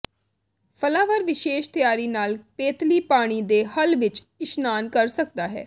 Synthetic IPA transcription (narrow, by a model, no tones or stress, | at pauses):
pʰəlaːʋəɾʋɪʃeːʃt̪ɪjaːɾiːnaːlpeːt̪liːpaːɽ̃iːd̪eːhəlʋɪt͡ʃ | ɪʃnaːnkəɾsək̚d̪aːɦɛ̰ː